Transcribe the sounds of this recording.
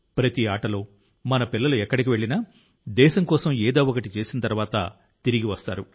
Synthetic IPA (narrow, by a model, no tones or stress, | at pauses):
pɾɐt̪iaːʈɐlo̞ː | mɐnɐpilːɐluɛkːɐɽikiʋe̞ɭːinaː | d̪ɛːʃɐmkɔːsɐmɛːd̪aːwokɐʈit͡ʃe̞ːsinɐt̪ɐɾuʋaːt̪ɐ̰ | t̪iɾiɡiʋɐst̪a̰ːɾu